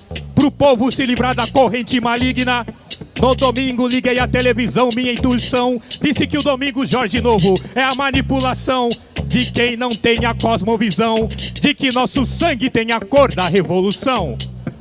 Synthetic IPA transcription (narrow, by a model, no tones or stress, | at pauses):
pɾʊpovʊsɪlivɾaɾd̪ɐkoɦẽnt͡ʃɪmaliɡnɐnʊd̪omĩŋɡʊliɡejɐt̪elevizɐ̃w̃mĩɲɐĩt̪uisɐ̃w̃d͡ʒ̪isɪkɪʊd̪omĩŋɡʊʒɔɾʒɪnovʊɛɐmɐnipulasɐ̃w̃ | d͡ʒɪkẽj̃nɐ̃w̃t̪ẽj̃ɐkɔzmovizɐ̃w̃d͡ʒɪkɪnɔsʊsɐ̃ɡɪt̪ẽj̃ɐkoɾd̪ɐɦevolusɐ̃w̃